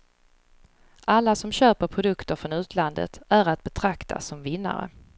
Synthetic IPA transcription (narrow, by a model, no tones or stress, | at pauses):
ʔalːasɔmɕøːpəɾpʰɾʊd̪ɵkt̪əɾfɾɔnʉ̟ːt̪ʰland̪ə̰t̪æɾat̪̚bɛt̪ʰɾakt̪ʰa̰sɔmvɪnːa̰ɾə̰